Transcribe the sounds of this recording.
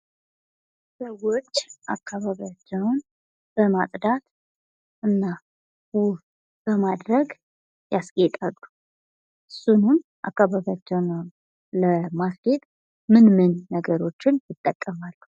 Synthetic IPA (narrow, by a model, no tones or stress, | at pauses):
səwo̞t͡ʃːʔakʰːaβaβiat͡ʃːɛwn | b̥əmat̪ʼd̪at̪ | ʔɨnːa | wʊh | b̥əmad̪ɾəɡ | jasɡʼet̪ʼalːu | ʔɨsːunumʔa̰kːaβaβjat͡ʃːɛwnəwn | ləmasɡet̪ʼ | mɨnmɨnːəɡəɾo̞t͡ʃːɪnjɪt̪ʼːəkʼːəmalːu